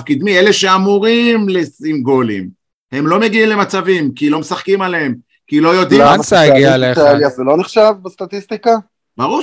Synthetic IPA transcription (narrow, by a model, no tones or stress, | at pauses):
fkid̪miele̞ʃe̞amuʁimlesimɡo̞lḭm | he̞mlo̞me̞ɡiimle̞mat͡savimkilo̞mesaχkimaleem | kilo̞jo̞d̪ilasaɡialeaeliazelo̞niχʃavbest̪at̪ist̪ika | baʁu